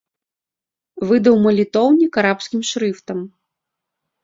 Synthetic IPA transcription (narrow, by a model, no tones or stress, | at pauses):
vɨd̪ɐwmɐlʲit̪ɔwnʲikaɾapsʲkʲimʂɾɨft̪ɐm